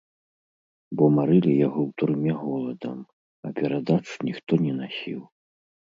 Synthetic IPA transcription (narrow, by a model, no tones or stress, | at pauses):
bɔmaɾɨlʲijaɣɔwt̪ɾɨmʲaɣɔlˠɐd̪ɐ̰m | ɐpʲɛɾad̪at͡ʂnʲixt̪ɔnʲɛnasʲḭw